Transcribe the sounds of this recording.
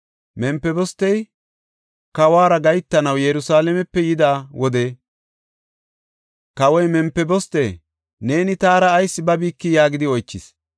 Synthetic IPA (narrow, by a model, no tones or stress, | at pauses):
mɛmpːɛbɔst̪ːɛj | kɐwaːɾɐɡɐjt̪ːɐnɐwjɛɾʊsaːlɛmɛpːɛjɪd̪aːwɔd̪e | kɐwɔjmɛmpːɛbɔst̪ḛː | ne̞ːnɪt̪aːɾɐːjsːɪbɐbiːkːɪjaːɡɪd̪ɪɔjt͡ʃːɪs